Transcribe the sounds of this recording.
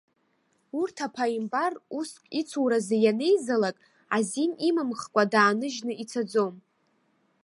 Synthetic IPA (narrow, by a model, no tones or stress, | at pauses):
urtʰapʰaimbaruskʼit͡sʰuwɾazejane̞jzalakʼ | azinimamχkʷʼadaːnɨʒnɨʔit͡sʰad͡zo̞m